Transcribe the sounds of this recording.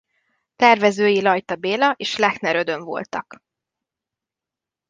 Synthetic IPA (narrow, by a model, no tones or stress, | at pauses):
t̪ɛrvɛzøːjilɒjt̪ɒbeːlɒʔeːʃlɛknɛɾød̪ø̞ɱvo̞̰lt̪ɒk